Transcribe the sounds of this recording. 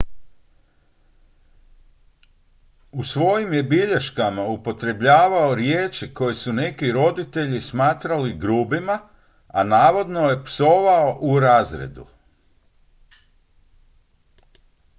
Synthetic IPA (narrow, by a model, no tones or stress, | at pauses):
usʋo̞jimje̞biʎeʃkamaupo̞t̪ɾe̞bʎaːʋao̞ɾjeːt͡ʃiko̞jesune̞kiɾo̞d̪it̪e̞ʎismaːt̪ɾaliɡɾuːbima | anaːʋo̞d̪no̞je̞pso̞ʋaoʔuɾaːzɾḛd̪ṵ